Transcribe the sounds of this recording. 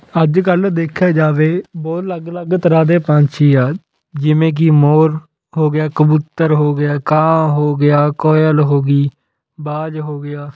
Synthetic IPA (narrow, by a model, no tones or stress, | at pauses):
əd͡ʒkəld̪eːkʰjaːd͡ʒaːʋeːbɔːt̪ləɡləɡt̪əɾãːd̪eːpãːt͡ʃʰiːaː | d͡ʒɪʋẽːk̬imoːɾ | ɦoːɡɪjaːkəbuːt̪ːəɾɦoːɡɪjaːkãːɦoːɡɪjaːkɔːjəlɦoːɡiː | baːd͡ʒɦoːɡɪjaː